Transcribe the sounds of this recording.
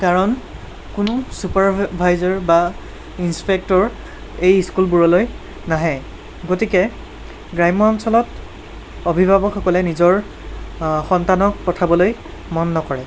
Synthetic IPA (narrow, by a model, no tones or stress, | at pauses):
kaɹɔn | kʊnʊsupaɹbʱajzɔɹba | inspek̚tɔɹ | ejskulbuɹɔloj | naɦɛ | ɡotikɛ | ɡɹajmɔɔmsɔlɔt | obʱibʱabɔkxɔkɔlɛnizɔɹ | xɔntanɔk̚pɔtʰabɔloj | mɔnːɔkɔɹɛ